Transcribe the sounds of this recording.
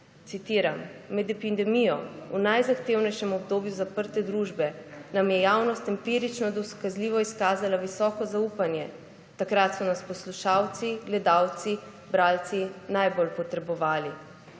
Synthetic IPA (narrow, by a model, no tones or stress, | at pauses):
t̪sit̪iːɾamːɛd̪ɛpind̪ɛmijɔ̰unajzaxt̪eːwnɛjʃɛmɔbd̪oːbjuzapəɾt̪ɛd̪ɾuːʒbɛnamjɛjaːwnɔst̪impiːɾit͡ʃnɔd̪ɔskazliːʋɔiskaːzalaʋisɔːkɔzauːpanjɛ | t̪akɾat̪sɔnaspɔsluʃaːwt̪siɡlɛd̪aːwt̪si | bɾaːlt̪sinajbolpɔt̪ɾɛbɔʋaːli